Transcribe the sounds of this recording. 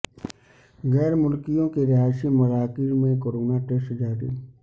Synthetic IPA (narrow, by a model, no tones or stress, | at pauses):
ɣɛːɾmʊlkijõkeɾɪɦaːsimɐɾaːkiɾmẽkoɾoːnaʈesʈd͡ʒaːɾḭː